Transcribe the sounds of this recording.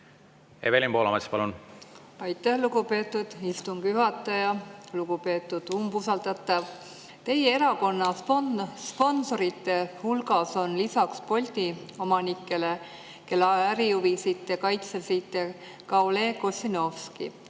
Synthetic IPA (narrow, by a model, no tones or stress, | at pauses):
ḛvelʲimpolɑ̰mɑt̪spɑlun | ɑjt̪ːˑæhluɡupe̞ːt̪ːˑud̪̥ist̪uŋɡ̥jyɦɑt̪ːˑɑjɑluɡupe̞ːt̪ːˑud̪̥umbusɑlt̪ɑt̪ˑːɑv | t̪e̞jee̞ɾɑko̞nːɑ | spo̞nso̞ɾit̪ːˑe̞hulɡɑso̞nlisɑkspo̞lʲt̪ʲio̞mɑnikːˑe̞le | ke̞lːɑæɾijuvisit̪ːjɑkɑjt̪sesit̪ːjɑ | kɑwle̞ːko̞sʲino̞fskḭ